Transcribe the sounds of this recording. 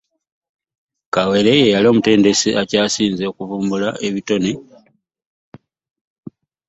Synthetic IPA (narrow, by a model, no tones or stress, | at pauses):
kawe̞lejejalio̞ːmute̞ːnde̞siʔacaːsiːnzekuvuːmbulaʔe̞βito̞ne